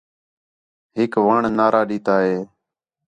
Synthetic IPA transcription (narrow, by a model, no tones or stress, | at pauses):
ɦɪkʋaːɳnaːɾaːɗiːt̪aːɦeː